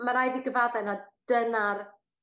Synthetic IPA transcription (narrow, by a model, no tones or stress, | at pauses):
maɾajðiɡəvaðɛnad̥ənar